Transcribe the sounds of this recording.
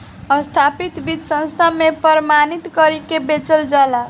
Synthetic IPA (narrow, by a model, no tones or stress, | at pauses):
əst̪ʰapit̪bid̪sə̃nst̪ʰamepəɾmanit̪kəɾikebet͡ʃəld͡ʒala